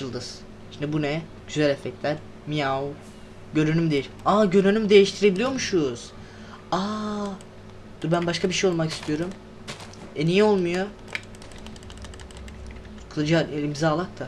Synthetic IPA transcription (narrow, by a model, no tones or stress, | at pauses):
t͡ʃɯlˠd̪ɯz | ʃimd̪ibunɛ | ɟ̥yzælʲɛfɛct̪lʲæɾ | mijau | ɟø̞ɾynymd̪ejilʲaːɟøɾynymd̪e̞jiʃt̪ʰiɾe̞bilʲijomuʃujz̥ | a | d̪̥uɾbænbaʃkʰabiʃejo̞lˠmaki̥st̪ʰijo̞ɾum | enijio̞lˠmujo | kʰɯlˠad͡ʒanimzaːlˠak̚t̪ʰa